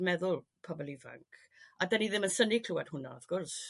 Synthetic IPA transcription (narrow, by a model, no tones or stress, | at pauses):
mɛðʊlˠ | pʰɔbɔlˠiva̰ŋkʰ | adɛniðɪmənsənikʰl̥uwad̥hʊna̰afɡ̥ʊrs